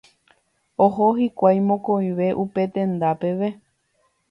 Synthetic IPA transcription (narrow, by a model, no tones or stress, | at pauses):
oɦoɦikʷajmõkoj̃ʋe̞ʔupe̞t̪ẽ̞nd̪ape̞ʋe̞